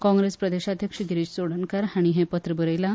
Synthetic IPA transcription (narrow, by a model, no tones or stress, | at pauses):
kɔ̃ŋɡɾespɾəd̪eɕad̪ʱjəkʂəɡiɾiːd͡ʑt͡soɽənkaɾaɽ̃iɦepət̪ɾəbəɾəjla